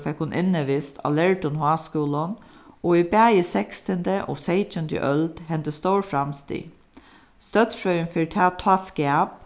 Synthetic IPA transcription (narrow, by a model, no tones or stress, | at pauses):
fɛkhʊnʔɪnːəʋɪst̪ʰɑ̰lɛɹʈʊnhaːskuːlɔnɔibæːisɛkst̪ənd̪əʔɔ̰ːseɪt͡ʃənd̪ə̰ʔœld̪̥hɛnt̪əst̪ɔʊɹfɹamst̪ḭ | st̪œt̪sfɾœʏənfɪɾt̪ʰaːt̪ʰɑːskæːp̚